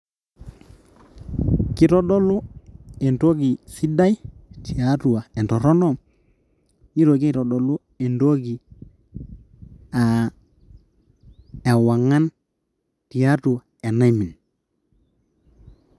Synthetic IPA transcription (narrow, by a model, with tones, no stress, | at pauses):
ki˦to˦ɗo˦lu˦e˨nto˦ɡi˨si˦da˦jti˨a˦tu˨wa˨e˨nto˨ɾo˦nɔ˦ | i˦ɾo˨ki˦to˨ɗo˨lu˦ | e˨ndo˦ɡi˨ | a˨ | e˨wa˨ŋːa˦n | ti˨a˦tu˨a˨e˨na˦mi˨n